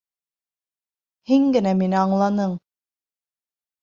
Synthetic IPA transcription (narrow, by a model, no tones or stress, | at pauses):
hiŋɡɘ̆næminɘɑɴlˠɑnɤɴ